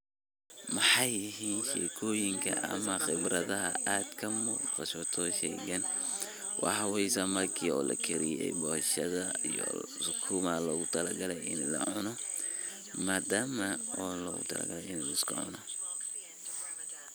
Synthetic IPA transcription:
mɑħɑjɪɦiːnʃɛːkʰɔːjɪŋkʰɐ̰ʔɐmɐxɪbrɐðɐɦɐ̰ʔaːd̪kʰɐmɔfɐʃɔt̪ʰɔːʃɛ̰ɡɐn | wʔɑ̰ħwɛjsɐmɐrkʰiːɔːlɐ̰kʰɛɾɪjɛ̰jbɔːhɐʃɐðɐijɔ̰sʊkʰumɐlɔːɣʊt̪ʰɐlɐɡɐlɛjɪnlɐ̰ʕʊnɔ | maːd̪aːmɐɔːlɔːɣʊt̪ʰɐ̰lɐ̰ɡɐlɛjɪnɛlɪskʰɐ̰ʕʊ̰nɔ

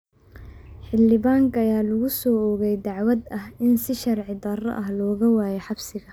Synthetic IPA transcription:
ħɪlːɪβaːŋkʰɐjaːlʊɣʊsɔːɔːɣɛjd̪ɑʕwɐd̪ɐhɪnsɪʃɐrʕɪd̪ɐrɐ̰ʔɐɦlɔːɣɐwaːjɛħɑbsɪɣɐ

